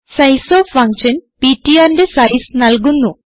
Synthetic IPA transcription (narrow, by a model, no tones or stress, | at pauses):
sɐjsoːfʰɐŋkʂɐnpiːʈːijaːɾndesɐjsnɐlk̬unːu